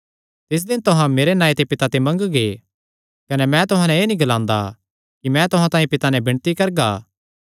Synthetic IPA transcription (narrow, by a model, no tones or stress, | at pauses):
t̪ɪs̬d̪ɪnt̪ʊɦãmeːɾenaːit̪epɪt̪at̪emɐ̃ŋɡɡe | kɐnɛmɛ̃t̪ʊɦãnɛ̃eːnĩɡɐlãːnd̪a̰ | kimɛ̃t̪ʊɦãt̪ãːĩpɪt̪anɛ̃bɪ̃ɽ̃t̪ikɐɾɡaː